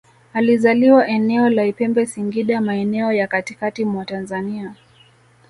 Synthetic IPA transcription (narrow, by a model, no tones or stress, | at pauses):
alizaliwaʔɛnɛɔlaipɛmbɛsiŋɡiɗamaɛnɛɔjakatikatimwatanzania